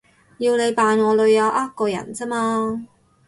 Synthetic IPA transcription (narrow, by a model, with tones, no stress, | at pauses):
jiː˧wne˨˧jpaː˨˧nŋɔː˨˧lɵ˨˧ɥjɐ˨˧wʔaː˥t̚kɔː˧jɐ̰˨˩nt͡sɐ˥maː˧